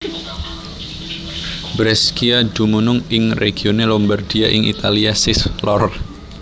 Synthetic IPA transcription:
bɾɛskiadumunʊŋɪŋrʔeɡ̥ionelɔmbard̥iaʔɪŋʔḭt̪aliasɪslɔr

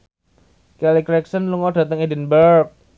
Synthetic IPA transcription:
kɛlikɾɛksənluŋɔɖä̤t̪əŋidinbəɾk̚

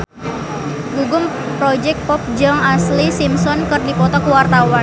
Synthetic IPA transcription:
ɡuɡʊm | pɾɔd͡ʒɛk̚t̪̚pɔp̚d͡ʒaŋaslisimsɔnkɨrdipɔt̪ɔkəwart̪awan

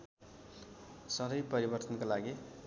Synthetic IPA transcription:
sʌd̪ʌjpʌɾibʌrt̪ʌnkolaɡi

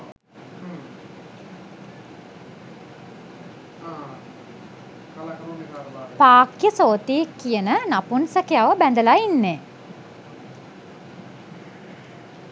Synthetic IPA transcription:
kalakɐɾonikaapaːkjəsoːt̪iekːijənənapunsəkejaʋəbænd̪əlainːeː

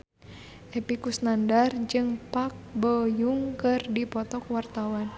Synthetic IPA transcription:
ʔɛpikusnandard͡ʒɨŋpak̚bəjuŋkɨrdipɔt̪ɔkwart̪awan

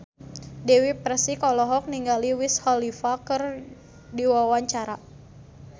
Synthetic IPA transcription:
dɛwipɾɛsikɔlɔɦɔk̚niŋɡaliwishɔlifakɨr | diwawaɲt͡ʃaɾa

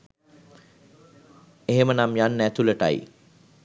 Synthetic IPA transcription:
eɦemənamjanːæt̪uləʈa̰j

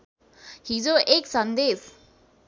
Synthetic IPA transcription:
hid͡zoʔeksə̃nd̪es

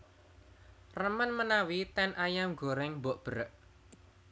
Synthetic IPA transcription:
rəmənmənawit̪ɛnʔajaŋɡo̤ɾɛŋboʔb̥əɾəʔ

